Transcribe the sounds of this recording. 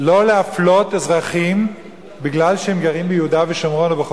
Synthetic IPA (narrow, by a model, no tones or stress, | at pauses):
lo̞leaflotezʁaχim | biɡlalʃehemɡaʁimbejeud̪aveʃamʁonabeχ